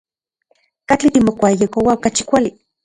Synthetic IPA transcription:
kat͡ɬit̪imokʷajekowaokat͡ʃi̥kʷali

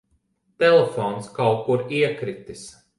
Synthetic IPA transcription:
t̪elefɔnskawkːuɾiɛkɾit̪is

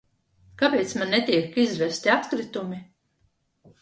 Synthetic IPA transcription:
kapeːt̪smanːet̪ʲiɛkizvɛst̪iapkɾit̪umi

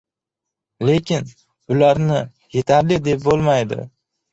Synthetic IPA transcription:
le̞kʲɪn | bʊlaɾnɪ | je̞t̪ʰaɾlɪd̪e̞p̚bolˠmajd̪ɪ̰

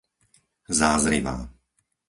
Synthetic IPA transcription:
zaːzɾḭʋa̰ː

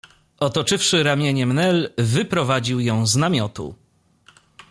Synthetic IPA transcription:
ɔt̪ɔt͡ʂɘfʂɘɾamʲjeɲɛmnɛlvɘpɾɔvad͡ʑiwjɔ̃w̃znamʲjɔt̪ṵ

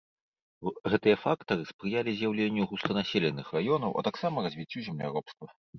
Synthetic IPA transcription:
ɣɛt̪ɨjɐfakt̪ɐɾɨspɾɨjalʲizʲjawlʲenʲːuɣuslɐnasʲelʲɛnːɨxrajɔnɐwʔɐ̰t̪aksamɐrɐzʲvʲit͡sʲːuzʲɛmlʲa̰ɾɔpst̪vɐ

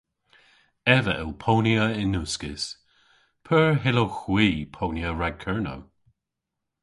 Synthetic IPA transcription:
ɛvəʔɛlpʰoːnjəɪnːuːskɪs | pʰəɹɦɪloxwiːpʰoːnjəɹaɡ̚kʰɛɹnə̰w

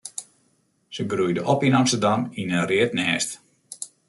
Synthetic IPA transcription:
səɡrujdəʔɔpinɑmstərdɑminəriətnɛːst

